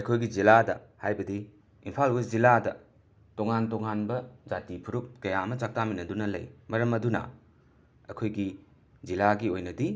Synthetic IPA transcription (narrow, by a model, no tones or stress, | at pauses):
ɐjkʰojɡid͡ʒiladɐhajbɐdi | impʰalbɐziladɐ | toŋantɔŋanbɐd͡ʒatipʰuɾup̚kɐjaɐmɐt͡ʃak̚taminɐdunɐlɐ̰jmɐɾɐmɐdunɐ̰ | ɐkʰojɡi | zilaɡiojnɐdi